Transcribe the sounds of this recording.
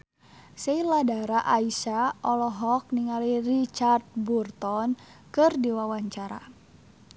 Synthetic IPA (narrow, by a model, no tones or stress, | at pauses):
seladaɾaʔaisaɔlɔɦɔk̚niŋalirit͡ʃart̪̚burt̪ɔnkɨrdiwawaɲt͡ʃaɾa̰